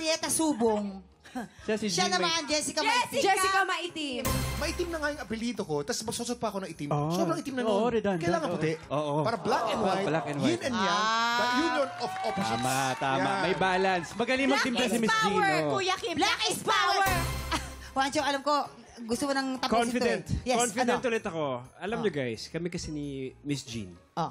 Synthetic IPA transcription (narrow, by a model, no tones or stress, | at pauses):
ɛk̪ɐsuːboŋ | ʃasɪʃanɐmand͡ʒɛːsɪkɐmɐd͡ʒɛsɪkɐmɐʔit̪ɪmɐʔit̪imnɐŋajʊŋʔɐpɪliːt̪oko̞t̪ɐsmɐsosot̪̚pɐko̞nɐŋʔɪt̪imossoɾɐŋʔɪt̪imnɐnʔɾɛd̪onkɐjlaːŋɐnpʊt̪ɛʔʔoːʔopaːɾɐblakʔɛnwajlakɛnwʊnɛnjaɐjuonofopamat̪aːmamɐjbaːlɐnsmɐɡɐnimɐt̪ɪmt̪ɐsimɪsd͡ʒikujɐkɪlakɪspaw | want͡ʃoʔɐlamko̞ | ɡʊst̪omonɐŋt̪ɐbknfɪd̪ɛnt̪jɛkonfɪd̪ɛnt̪ulɛt̪ɐko̞ɐlamɲoɡajskɐmɛkɐsɛnimɪsd͡ʒḭn | ʔo